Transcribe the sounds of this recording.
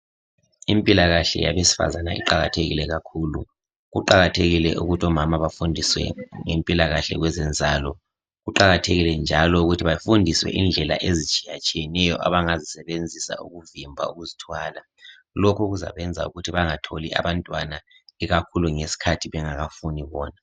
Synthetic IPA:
impʼilaɣaɬɛ̰ja̰βesi̥fa̰zana̰ʔḭǃaɣa̰tʰeɣḭlɛɣakʰuːlṵ | ɣuǃaɣatʰeɣilɛ̰ʔuɣutʰɔmamaβafundʱiswɛ̰ŋempʼilaɣaɬɛ̰ɣwɛzɛnd͡zʱaːlɔ | ɣuǃaɣatʰeɣilɛnd͡ʒʱalɔuɣutʰiβajifundʱiswɛ̰ʔind͡ɮʱɛla̰ʔezit͡ʃʼijat͡ʃʼijɛnɛjɔ̰ʔaβaŋazisɛβend͡zʱisa̰ṵɣuvimbʱa̰uɣuzitʰwaːla | lokʰuɣuza̰βɛnd͡zʱa̰uɣutʰiβaŋatʰoliʔa̰βantʼwana | ɛɣakʰuluŋesi̥kʰatʰiβɛŋaɣafuniβɔ̰ːna

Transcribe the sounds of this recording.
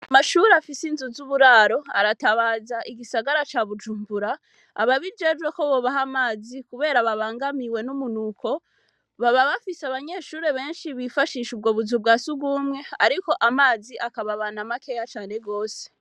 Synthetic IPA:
amaʃuːɾeafisinzuzuβuɾaːɾo̞a̰ɾataβaːzaʔiɡisaɡaɾat͡ʃaβud͡ʒuːmbuɾa̰ː | βaβid͡ʒe̞d͡ʒwe̞ko̞βo̞βaɦamaːzikuβe̞ːɾaβaβaːŋɡamiwe̞numunukʰo̞ | βaβaβafiseaβaɲe̞ʃuːɾe̞βe̞ːnʃiβifaʃiːʃub̚ɡo̞βuzub̚ɡaːsuɡuːmŋe̞aɾiko̞ʔamaːziʔakaβaβanamakʰe̞jat͡ʃaːne̞ɡo̞ːse̥

